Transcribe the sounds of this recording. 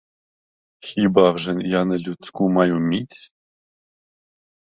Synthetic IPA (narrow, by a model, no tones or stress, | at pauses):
xʲibɑvʐɘ̆njɑnɘ̆lʲut͡skumɑjumʲit͡sʲ